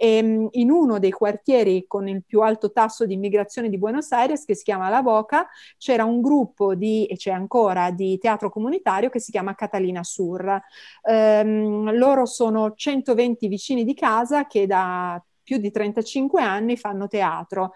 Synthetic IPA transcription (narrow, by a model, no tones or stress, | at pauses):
einunod̪ejkwart̪jɛːɾikonilpjualt̪ot̪asːod̪iːmːiɡɾat̪sːjoːned̪ibwenosajɾjeskesːi̥kjaːmalabɔːkat͡ʃɛːɾauŋɡɾupːod̪iet͡ʃɛaŋkoːɾad̪it̪eaːt̪ɾokomunit̪aːɾjokesːikjaːmakat̪aliːnasur | loːɾosoːnot͡ʃɛnt̪ovent̪ivit͡ʃiːnid̪ikaːzaked̪a | pjud̪ːit̪ɾɛnt̪at͡ʃiŋkweanːifanːot̪eaːt̪ɾo